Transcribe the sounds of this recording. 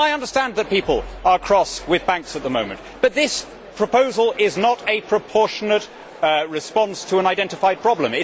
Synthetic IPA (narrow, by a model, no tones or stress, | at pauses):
aɪʌ̃ndə˞stæ̃nðɨt̚pipəlˠə˞kʰɹ̥ɔswɪðbæ̃ŋksət̪̚ðəmõʊ̃mɨ̃nʔb̥ʌt̪̚ðɪs | pʰɹ̥əpoʊzəl̩ˠɪznəɾɨpʰɹ̥əpʰɔɹʃənət̚ | ɹɨspɑ̃nstʰəə̃naɪdɛ̃ntɨfaɪd̚pʰɹ̥ɑblə̃mɪ